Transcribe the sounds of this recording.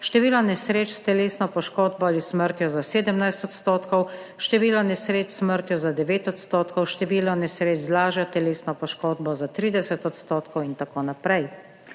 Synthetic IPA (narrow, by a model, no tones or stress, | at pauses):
ʃt̪ɛʋiːlɔnɛsɾeːt͡ʃst̪ɛleːsnɔpɔʃkoːd̪̚bɔalisməɾt̪jɔzaseːd̪əmnajst̪ɔt̪st̪oːt̪kɔw | ʃt̪ɛʋiːlɔnɛsɾeːt͡ʃsməɾt̪jɔzad̪ɛʋeːt̪ɔt̪st̪oːt̪kɔwʃt̪ɛʋiːlnɔnɛsɾeːt͡ʃzlaːʒjat̪ɛleːsnɔpɔʃkoːd̪bɔzat̪ɾiːd̪ɛsɛt̪ɔt̪st̪oːt̪kɔwint̪akoːnapɾɛj